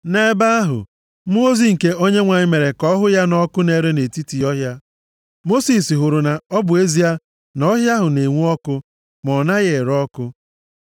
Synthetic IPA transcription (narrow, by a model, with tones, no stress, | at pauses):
ne˦ba˦a˦ɦʊ̰˨ | m̩˦o˦zi˨ŋ̩˨ke˦ʔo˦ɲe˦ŋʷa˨ɲɪ˦me˨ɾe˨kɔ˦ɦʊ˦ja˦nɔ˦kʊ˦ne˨ɾe˦ne˨ti˦ti˨ɔ˦ɦja˦ | mo˦si˨si˨ɦʊ˨ɾʊ˨na˨ɔ˦bʊ˨e˦zi˦a˦ | nɔ˦ɦja˦ɦʊ˨ne˨ŋʷu˦ɔ˦kʊ˦ | mɔ˨na˦ɣe˨ɾɔ˦kʊ˦